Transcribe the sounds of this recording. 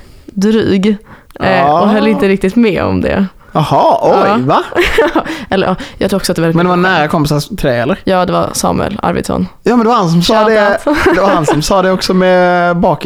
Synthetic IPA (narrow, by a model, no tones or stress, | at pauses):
d̪ɾy̰ːɡ | ɔɦœlːɪnt̪əɾɪk̚t̪ɪt̪mɛɔ̰md̪ɛ̰ | ɑhɑɔjva | ɛlːəɾʔɑːjɑːɡt̪ɾuːɔksɔt̪d̪ɛvɛmɛnd̪ɛvanæːɾakʰɔmpɪsat̪ʰɾɛːɛlːəɾjɑːd̪ɛva̰ɾsɑ̰ːmʉ̰ɛ̰la̰ɾvɪ̰d̪sɔ̰njɑːmɛnd̪ɛvaɾhans̬ɔmsɑːd̪ɛd̪ɛvaɾhansɔmsɑːd̪ɛɔksɔmɛbɑːk